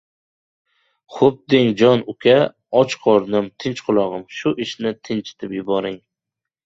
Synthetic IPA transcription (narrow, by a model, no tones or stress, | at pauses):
χʊp̚d̪ɪŋd͡ʒɒnʊkʲʰa | ɒt͡ʃqʰɒɾnɪmt̪ʰɪnt͡ʃqʰʊlˠɒʁɨmʃʊʔɪʃnɪt̪ʰɪnt͡ʃɪ̥t̪ʰɪpjʊbɒɾɪŋ